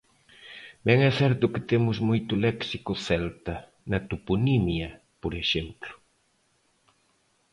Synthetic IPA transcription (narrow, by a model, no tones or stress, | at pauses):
bɛŋɛθɛɾt̪ʊkɪ̥t̪emʊzmojt̪ʊlɛksikʊθɛlt̪ɐ | nɐt̪upunimjɐ | poɾeʃemplʊ̥